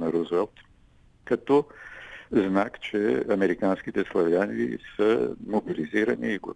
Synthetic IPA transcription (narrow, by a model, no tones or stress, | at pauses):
nɐɾuzvɛlˠt̪ | kɐt̪ɔ | znakt͡ʃɛɐmɛɾikansk̟it̪ɛslˠɐvjanḭsəmobiliziɾɐniːɡ̰